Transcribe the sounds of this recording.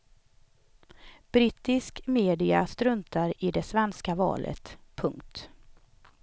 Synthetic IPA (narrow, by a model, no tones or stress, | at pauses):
b̥ɾit̪ɪskmeːd̪ɪa̰st̪ɾɵnt̪aɾɪd̪ɛsvɛnskavɑ̰ːlʔə̰t̪pʰɵŋkt̪